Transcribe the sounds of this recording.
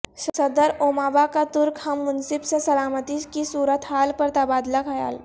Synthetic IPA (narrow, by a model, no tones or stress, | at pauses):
ssɐd̪əɾoːmaːbakat̪ʊɾkhɐmːʊnsɪbsesɐlaːmət̪id͡ʒkisuːɾət̪ɦaːlpɐɾt̪ɐbaːd̪lakʰɐja̰ːl